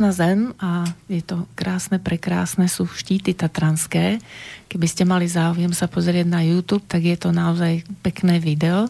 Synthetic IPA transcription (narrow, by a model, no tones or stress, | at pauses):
nazɛmajɛt̪ɔkɾaːsnɛpɾɛkɾa̰ːsnɛsuːʃciːt̪it̪at̪ɾanskɛːkɛbiscɛmalizaːʊjɛmsapɔzɾɪɛɟnajuːt̪uːp̚t̪aɡjɛt̪ɔnaɔzajpɛknɛːʋid̪ɛɔ